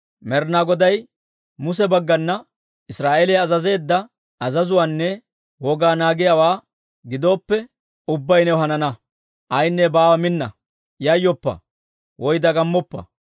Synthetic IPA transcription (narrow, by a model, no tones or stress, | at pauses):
mɛɾnaɡɔd̪ɐj | mʊs̬ɛbɐɡːɐnːɐ | ɪsɾaːʔelejɐzɐze̞ːd̪ːɐ | ɐzɐzʊwaːnːɛ | wɔɡaːnaːɡɪjawaː | ɡɪd̪o̞ːpːɛ | ʊbːɐjnɛɦɐnɐnɐ | ʔɐjnːɛbaːwɐmɪnːɐ̰ | jɐjːɔpːɐ̰ | wɔjd̪ɐɡɐmːɔpːɐ̰